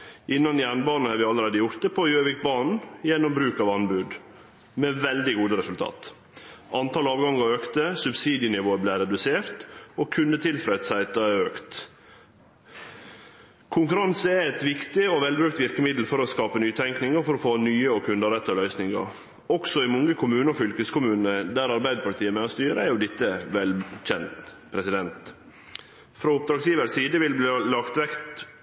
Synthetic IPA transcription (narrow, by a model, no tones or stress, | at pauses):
ʔɪnːɑnjæːɳbɑːnn̩hɑːɾʋɪɑləɾeːd̪əjʊɾt̪əpʰɔjøːʋɪk̪̚bɑːɳn̩jɛnːɔmbɾʉːkɑʋɑnbʉd̪ | meːʋɛld̪ɪɡuːd̪əɾɛsʉlt̪ʰɑ̰ːt̪ | ɑnt̪ʰɑːlɑːʋɡɑŋɑøːkt̪əsʉbsiːd̪ɪənɪʋoːəblæɪɾɛd̪ʉseːɾt̪okʰʉnd̪ət̪ʰɪlfɾɛt̪sæɪt̪ɑɛøːkt̪ | kʰʊŋkʉɾɑnsəæɛt̪ʋɪkt̪ɪɔʋɛlbɾʉːk̚t̪ʋɪɾkəmɪd̪l̩fɔɾɔskɑːpənyːt̪ʰɛŋknɪŋəfɔɾɔfoːnyːəɔkʰʉnd̪əɾɛt̪ːɔlœʏsnɪŋə̰ɾ | ɔksɔɪmɔŋːəkʰʊmʉːnɔfʏlkəskʊmʉːnnəd̪æɾɑɾbæɪd̪əpʰɑt̪ʰiːəmɛɔst̪yːɾəæɾjʊd̪ɪt̪ːəʋɛlc͡çɛnt̪pʰɾɛsɪd̪ɛnt̪ | fɾɔʊp̚d̪ɾɑːɡsjiːʋəɾsiːd̪əʋɪlblilɑkt̪ʋɛkt̪